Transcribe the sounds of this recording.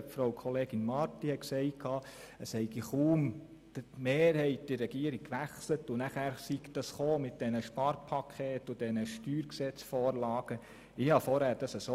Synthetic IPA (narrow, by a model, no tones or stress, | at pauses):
pfɾowkʰɔleːɡinmɑɾtihɛtksɛɪtkʰɑː | əshɛɪɡiχuːm | d̥tmeːɾhɛɪt̚d̥ɪrːɛɡiəɾikʋæχslətʊnæχæːɾsikd̥ɑsχoːmɪt̚d̥ɛnəʃpɑɾpʰɑkʰeːtʊd̥ɛnəʃtyːɾksɛt͡sfoːɾlɑːɡ̥ə | ɪhɑfɔɾhæːɾd̥ɑsəso